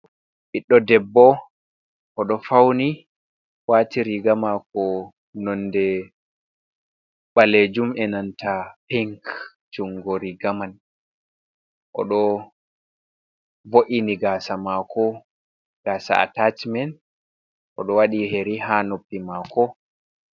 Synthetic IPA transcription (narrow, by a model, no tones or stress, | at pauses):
ɓiɗːɔdɛbːɔ | ʔɔɗɔfawni | waːtiɾiɡamakɔ | nɔnːdɛ | ɓaled͡ʒumɛnantʰapiŋk | d͡ʒuŋɡɔɾiɡaman | ʔɔ̰ɗɔ | voʔiniɡaːsamakʰɔ | ɡ̥aːsa̰a̰tat͡ʃmɛn | ʔɔ̰ɗɔwaɗiɦeɾiɦanopːimakɔ